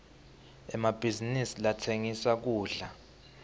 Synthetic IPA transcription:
ɛmab̥ʱizinisilatʰeŋisak̬uːɮa

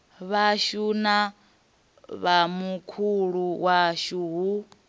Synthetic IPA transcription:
βaʃuna | βamukʰuɺuwaʃuːɦu

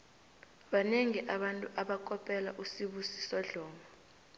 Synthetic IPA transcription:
ɓaneŋiʔaɓantʼuʔaɓakʼɔpʼɛla̰ʔusiɓusi̥sɔɮɔːmʱɔ

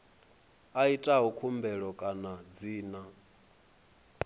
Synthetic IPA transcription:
aitʼaɦukʰumbɛɺɔkʼanad͡ziːna

